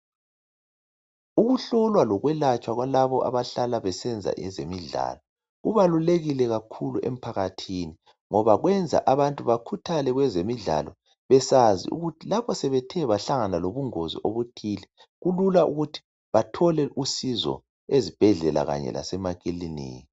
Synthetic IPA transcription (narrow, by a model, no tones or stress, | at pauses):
uɣuɬɔlwalɔɣwɛlat͡ʃʼwaɣwalaβɔʔa̰βaɬalaβɛsɛnd͡zʱa̰ʔɛzemiɮa̰ːlɔ | ɣuβaluleɣilɛɣakʰuluʔem̩pʰaɣatʰini | ŋɔβaɣwɛnd͡zʱa̰ʔaβantʼuβakʰutʰalɛɣwɛzemiɮa̰lɔ | βɛsazḭṵɣutʰilapʰɔsɛβɛtʰɛβaɬaŋanaloβuŋozḭʔoβutʰilɛ | ɣululaʔṵɣutʰi̥ | βatʰɔlɛʔusizɔ̰ | ezib̥ʱɛɮɛla̰ɣa̰ɲɛ̰lʔa̰sɛmakʼilinḭː